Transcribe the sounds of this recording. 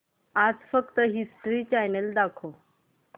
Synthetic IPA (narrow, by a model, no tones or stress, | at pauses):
ad͡zfəkt̪əɦisʈɾiːt͡ɕajnəld̪akʰo